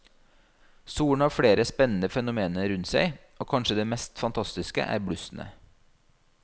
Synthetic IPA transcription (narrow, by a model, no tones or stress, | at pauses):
suːɳ̩ɑːʋfɽeːɾəspɛnn̩əfɛnʊmeːnəɾʉnt̪sæɪʔoːkʰɑnʃəd̪eːmɛst̪fɑnt̪ʰɑst̪ɪskə̰ʔæ̰ːɾbɽʉsn̩ə̰